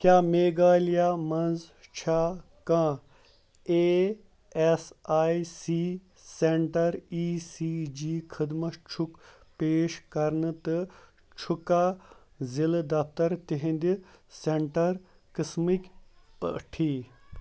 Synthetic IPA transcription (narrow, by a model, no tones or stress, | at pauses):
kʲjaːmeːɡaːlijaːmɐnzt͡ʃʰaː | kãː | eː | esaːisiː | seɳʈɐɾiːsiːd͡ʒiːkʰəd̪mɐʃt͡ʃʰuk | peːʃkɐɾnɨt̪ɨ | t͡ʃʰukaː | zild̪ɐft̪ɐɾt̪iɦĩnd̪iseɳʈɐɾ | kismikʲ | ʈʰiː